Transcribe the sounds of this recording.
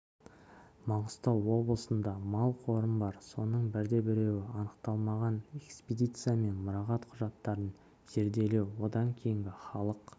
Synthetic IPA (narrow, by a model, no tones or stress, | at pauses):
mɑɴəst̪ɑwˠwo̞blˠəsənd̪ɑmɑlˠqʰo̞ɾəmbɑɾso̞nəɴbɪɾd̪e̞bɪɾe̞wɪɑnəqt̪ɑlˠmɑʁɑne̞kspʲed̪ʲijt̪sɨjame̞nmʊɾɑʁɑt̪qʰʊʒɑt̪ːɑɾən | z̥e̞ɾd̪e̞le̞wwo̞d̪ɑŋkʲʰe̞jɪŋɡʲɪχɑlˠəq